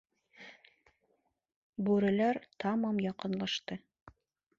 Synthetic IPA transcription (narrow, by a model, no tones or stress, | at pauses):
bʉɾɘ̆læɾt̪ɑmɑmjɒqɤ̆nlˠɑʃt̪ɤ